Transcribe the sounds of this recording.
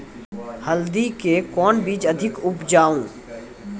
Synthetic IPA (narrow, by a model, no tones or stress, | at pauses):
hɐld̪ikekɔːnbiːt͡ʃɐd̪ʱɪkʊpd͡ʒaːũː